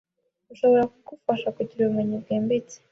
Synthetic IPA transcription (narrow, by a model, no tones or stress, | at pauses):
uʃo̞βo̞ɾakɡufaʃakuɟiɾaβumeɲibɡeːmbit͡se̥